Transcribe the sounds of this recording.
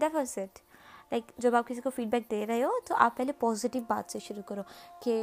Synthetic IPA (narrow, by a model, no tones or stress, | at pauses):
d̪afʰənseʈlaɪkd͡ʒobaːp̚kisikofiːɖbɛk̚d̪eɾɐɦeot̪oʔa̰ːpːɛɦlepɔːziʈiʋba̰ːt̪t͡ʃeʃʊɾukɔɾoke